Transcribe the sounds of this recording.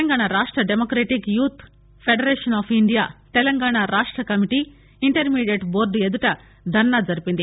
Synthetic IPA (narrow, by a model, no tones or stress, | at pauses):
ɐŋɡaːɳaɾaːʂʈɾɐɖemokɾeːʈikjuːt̪ʰ | pʰeɖɐɾeːʂɐnaːpʰiɳɖijaːt̪ɛlɐŋɡaːɳaɾaːʂʈɾɐkɐmiʈi | iɳʈɐɾmiːɖjeʈboːɾɖ̪ued̪uʈɐ | d̪ʱɐnːaːd͡ʒɐɾipind̪i